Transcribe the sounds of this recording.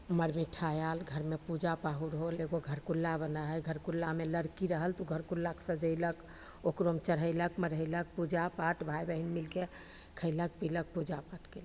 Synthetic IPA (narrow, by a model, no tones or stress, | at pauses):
məɾmiʈʰajalɡʱəɾmepud͡ʒapaɦuɾɦoleɡoɡʱəɾkulːabənaɦəjɡʱəɾkulːameləɾkiɾəɦəlt̪uɡʱəɾkulːaksəd͡ʒəɪlək | okɾomt͡ʃəɾ̤ɦəɪləkməɾɦəɪlək̚pud͡ʒapaʈbʱajbəɦinmilke | kʰəɪlək̚pilək̚pud͡ʒapaʈɡel